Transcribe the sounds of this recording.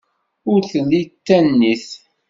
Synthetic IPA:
ʊɾθəlːit̪ːænːiθ

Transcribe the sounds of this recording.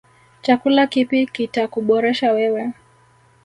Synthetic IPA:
t͡ʃakulakipikitakuɓɔɾɛʃawɛwɛ

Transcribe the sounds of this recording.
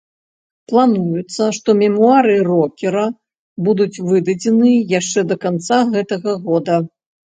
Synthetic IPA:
plˠanujut̪sːɐʂt̪ɔmʲɛmuaɾɨrɔkʲɛɾɐ | bud̪ut͡sʲvɨd̪ɐd͡zʲɛnɨjaʂt͡ʂɛd̪ɐkant̪saɣɛt̪ɐɣɐɣɔd̪ɐ

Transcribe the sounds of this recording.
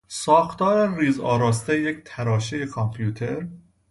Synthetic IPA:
sɒːxt̪ʰɒːɾeriːzɒːɾɒːst̪eject̪ʰæɾɒːʃejekʰompʰjuːt̪ʰeɾ

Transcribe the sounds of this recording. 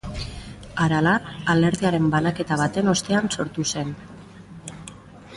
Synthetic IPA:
aɾalaːle̞ɾðiaɾe̞mbalake̞t̪aβat̪e̞no̞st̪e̞anso̞ɾt̪use̞n

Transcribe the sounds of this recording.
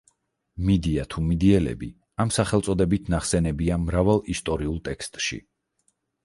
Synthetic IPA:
mid̪iat̪ʰumid̪iɛlɛ̰bḭ | amsaχɛlˠsʼɔd̪ɛbit̪ʰnaχsɛnɛbiamɾavalˠist̪ʼɔɾiulˠt̪ʼɛkst̪ʼʃḭ

